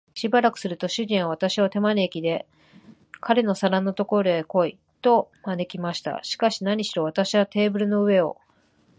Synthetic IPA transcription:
ɕibaɾakɯ̟̥sɨɾɯ̟t̪o̞ɕɨʑĩɰ̃βaβ̞at̪aɕiβat̪e̞maniekʲid̪e̞ | kʰaɾe̞no̞saɾãnːot̪o̞ko̞ɾo̞eko̞i | t̪o̞mane̞kʲimaɕi̥t̪a̰ɕi̥kaɕinaɲ̟iɕiɾo̞β̞at̪aɕiβat̪e̞ːbɯ̟ɾɯ̟no̞ɯ̟e̞o̞̰

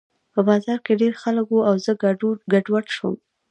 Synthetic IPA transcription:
pəbɑzɑɾkeɖeɾxaləkwuawzəɡaɖwaʈʃwə̰m

